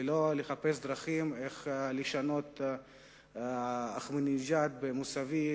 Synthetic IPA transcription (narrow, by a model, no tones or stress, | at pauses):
loleχapes̬d̪ɾaχimeχleʃano̞t̪ | aχmonizat̪̚bemusavi